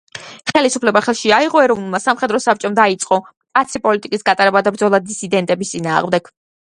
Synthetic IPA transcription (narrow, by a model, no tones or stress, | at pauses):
χɛlisu̥pʰlɛbaχɛlˠʃiaiʁɔɛɾɔvnulˠmasamχɛd̪ɾɔsap̚t͡ʃʼɔmd̪ait̪sʼqʼɔ | kʼat̪sʰipʼɔlit̪ʼikʼisɡat̪ʼaɾɛbad̪abɾd̪zɔlˠad̪isʰid̪ɛnt̪ʼɛbist̪sʼinaːʁmd̪ɛɡ̥